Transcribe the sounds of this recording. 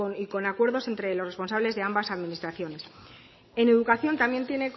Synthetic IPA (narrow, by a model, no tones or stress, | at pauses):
niko̞nakwe̞ɾðo̞se̞nt̪ɾe̞lore̞sponsaβle̞zðe̞ambasaðminist̪ɾaθjo̞ne̞s | e̞ne̞ðukaθjo̞nt̪amje̞nt̪je̞ne̞k